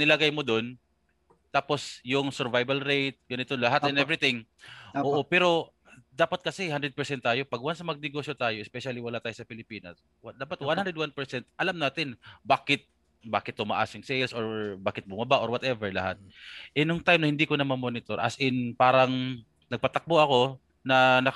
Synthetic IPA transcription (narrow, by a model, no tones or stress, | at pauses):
nɪlɐɡajmod̪on | t̪aːpo̞sjʊŋsɛɾvajbɐlɾejt̪̚ɡɐnɪt̪onlɐɦat̪ɛnɛvɾɪt̪ɪŋ | ʔoːʔʔopɛːɾo̞ | d̪aːpɐt̪̚kɐsɛhand̪ɾɛd̪̚pɛɹsɛnt̪ːaːjo̞pɐɡwansɐmɐɡ̚nɪɡoʃjot̪aːjo̞ʔɪspɛʃalɪwɐlat̪aːjosɐpɪlɪpiːnɐ̰s | wad̪aːpɐt̪wanhand̪ɛd̪̚wanpɛɹsɛnt̪ʔɐlamnaːt̪ɪnbaːkɪt̪̚ | baːkɪt̪ːʊma̰ʔa̰sjʊŋsɛjlsoɹbaːkɪt̪̚bʊmɐbaʔoɾwɐt̪ɛvɛɹlɐhat̪̚ | ʔɛnʊŋt̪ajmnɐhɪnd̪iːkonɐmɐmonɪt̪o̞ɾʔa̰sʔɪnpaːɾɐŋ | nɐɡ̚pɐt̪ɐk̚boʔɐko̞ | nɐnɐ